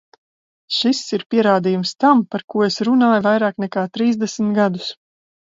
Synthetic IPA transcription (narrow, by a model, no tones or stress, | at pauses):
ʃisiɾpiɛɾaːd̪iːjumst̪ampaɾkuɔesɾunaːjuvajɾaːknɛkaːt̪ɾiːzd̪ɛsmt̪ɡad̪u̥s